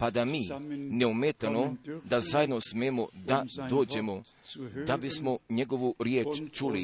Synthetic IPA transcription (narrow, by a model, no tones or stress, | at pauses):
pad̪amiːneumeːt̪anod̪azaːjed̪no̞smeːmod̪ad̪o̞ːd͡ʑe̞mo | d̪abismoɲeɡo̞ʋuɾjeːt͡ʃt͡ʃuli